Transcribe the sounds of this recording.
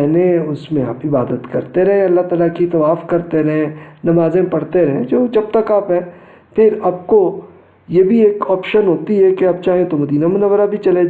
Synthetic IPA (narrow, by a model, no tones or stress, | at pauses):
neʊsmẽaːpɪbaːd̪ət̪kɐɾt̪eɾɛɦẽɐlːaɦt̪aːlakit̪ɐʋaːfkɐɾt̪eɾɐɦẽnɐmaːzẽpɐɽt̪eɾɛɦẽd͡ʒoːd͡ʒɐb̚t̪ɐkaːpɦɛ̃ː | pʰɪɾɐb̚ko | jebʱieːkɔːpʃənɦoːt̪iɦɛkeɐb̚t͡ʃaːɦẽt̪omɐd̪iːnamʊnəʋːəɾabʱit͡ʃɐle